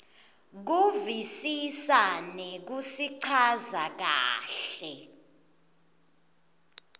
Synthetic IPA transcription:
k̬uvisisanɛk̬usiǀʰazak̬a̰ːɬɛ

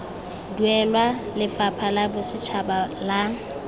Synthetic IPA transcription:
duɛlwalɪfapʰalabʊsɪt͡ʃʰabala

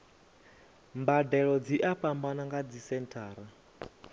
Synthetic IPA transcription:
mbadɛɺɔd͡ziʔaɸambanaŋɡad͡zisɛntʰaːɾa

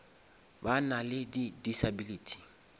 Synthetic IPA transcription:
banalɪdidisabilitʰi̥

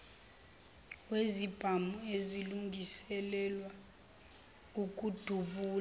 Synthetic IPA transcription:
wezib̥ʱamueziluŋɡʱisɛlɛlwa | uk̬ʼud̥ʱuɓuːl

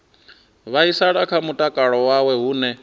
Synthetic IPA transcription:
βaisaɺakʰamutʼakʼaɺɔwawɛɦuːnɛ

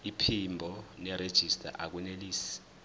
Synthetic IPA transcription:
ipʰimbʱɔnɛɾed̥ʒ̥ʱistʼa̰ʔak̬uneliːsi̥

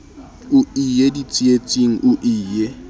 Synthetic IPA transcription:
ʊijedit͡sʼiet͡sʼiŋ̩ʔʊʔiːje

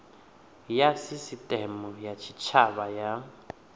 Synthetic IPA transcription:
jasisitʼɛmʊjat͡ʃʰit͡ʃʰabaja

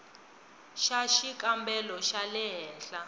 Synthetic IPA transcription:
ʃaʃikʼambɛlɔʃalɛɦɛːɬa

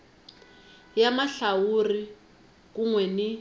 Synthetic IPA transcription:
jamaɬauri | kuŋwɛni

